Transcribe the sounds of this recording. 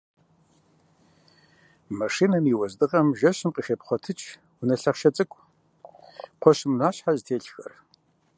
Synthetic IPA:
maʂinɐmiwɐzdɨʁɐmʒɐɕɪmqixepχʷɔtʰɨt͡ʃʼ | wʊnɐɬɐχʃɐt͡sʼɨkʷʼ | qʷʰɔɕɪmnaːɕħaztʰeːɬxɐ̰r

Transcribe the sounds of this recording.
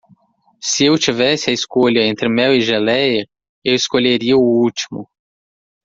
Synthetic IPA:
sɪewt͡ʃivɛsɪɐeskoʎɐẽnt̪ɾɪmɛwɪʒelɛjɐ | ewɪskoʎeɾiɐʊut͡ʃi̥mʊ̰

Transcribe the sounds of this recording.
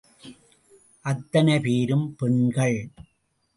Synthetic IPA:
ʔɐt̪ːɐnɐɪpiːɾɯmpɛɳɡɐɭ

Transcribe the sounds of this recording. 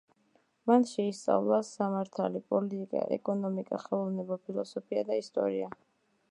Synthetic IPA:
manʃɛist̪sʼa̰vlˠasamaɾt̪ʰa̰lipʼɔlit̪ʼikʼa̰ʔɛ̰kʼɔnɔmikʼaχɛlˠɔvnɛbapʰilˠɔsɔpʰiad̪aist̪ʼɔ̰ɾia

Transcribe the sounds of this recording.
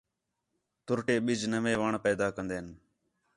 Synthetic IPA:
t̪ʊɾʈeːɓɪd͡ʒnəʋẽːʋaːɳpɛːd̪aːkənd̪eːən

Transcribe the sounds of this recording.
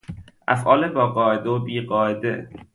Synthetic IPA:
ʔæ̰fʔɒːlebɒːɢɒːʔed̪eobiːɢɒːʔed̪e

